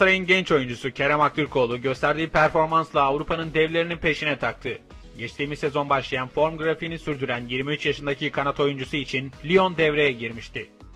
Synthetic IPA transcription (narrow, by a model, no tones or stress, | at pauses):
sɾajɯnɟɛnt͡ʃo̞jund͡ʒusucʰeɾɛmak̚t̪ʰˠɯɾkʰo̞ːlˠuɟø̞st̪æɾd̪iːpʰæɾfo̞ɾmanslˠaːvɾupʰanɯnd̪ɛvlʲe̞ɾininpʰe̞ʃinɛt̪ʰak̚t̪ʰɯ | ɟɛt͡ʃt̪ʰiːmize̞zo̞nbaʃlˠajanfo̞ɾmɡɯɾafinisyɾd̪yɾænjiɾmiyt͡ʃjaʃɯnd̪acʰikʰanat̪ʰo̞jund͡ʒusuit͡ʃʰinlʲio̞nd̪ɛvɾe̞jɛɟiɾmiʃt̪ʰɪ